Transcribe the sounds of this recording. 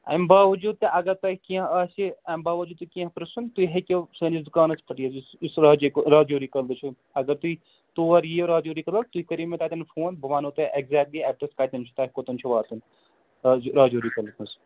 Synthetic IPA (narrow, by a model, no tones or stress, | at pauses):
ɐ̰mbaːʋɐd͡ʒuːd̪̚t̪ɐʔɐɡɐɾt̪ɐkiɐ̃ɐsiɐmbaːʋɐd͡ʒuːd̪t̪ːɐkiɐ̃pɾɐsunt̪uiɦekʲesɐːnisd̪ʊkaːnɐspʰɐʈiːɐssisɾaːd͡ʒɾaːd͡ʒoːɾiːkɐld̪ɨt͡ʃʰu | ɐɡɐɾt̪ui | t̪oːɐɾjiːoɾaːd͡ʒoːɾiːkɐlɐkt̪uikɐɾiːmẽt̪aːt̪ɐnfoːnbʱɐʋaːnoːt̪ɐʔeɡzɛːk̚ʈliɛːp̚ʈɐskaːt̪ɐnt͡ʃʰu̥t̪aːɦʲkoːt̪ɐnt͡ʃʰuʋaːɾt̪un | ɾaːd͡ʒoːɾikɐlt̪ʰnɐs